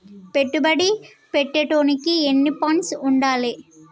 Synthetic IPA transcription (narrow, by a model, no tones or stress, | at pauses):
pɛʈːɯbɐɽi | pɛʈːɐʈːoːnɪkːɯɛnːipːaːnsʊɳɖaːle